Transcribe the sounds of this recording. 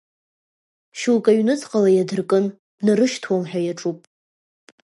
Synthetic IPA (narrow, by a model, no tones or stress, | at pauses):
ʃulkʼaɥnɨt͡sʰʼqʼalajadɨrkʼɨn | nɨrɨʃtʰwomħᶣajaʈ͡ʂʼupʼ